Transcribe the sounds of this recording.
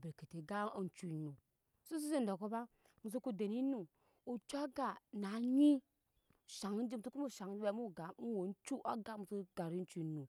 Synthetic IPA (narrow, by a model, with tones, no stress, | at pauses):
bi˨ɾki˨te˨ɡa˦n˦t͡ʃu˦˨nːu˨ | su˦s̬i˦si˦n˨do˨ko˦ba˦ | mu˨s̬u˦ku˦de˨ni˦nu˨ | u˨t͡ʃʷa˦ɡa˨na˨ɲi˦˨ | ʃa˨ŋi˦n˦d͡ʒi˦m˨tu˦ku˦mu˦˨ʃa˨ŋ˦e˨˦mu˦˨ɡa˨mu˦wo˨n˦t͡ʃu˦ʔa˦ɡa˦mu˨si˦ɡa˨ɾi˦n˦t͡ʃu˦˨nu˨